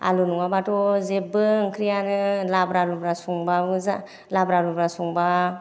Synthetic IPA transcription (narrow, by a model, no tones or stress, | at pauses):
a̰lunuŋabatɔzebɯɯŋkʰɾijanɯlabɾalubɾasɔŋbabɯza | labɾalubɾasɔŋba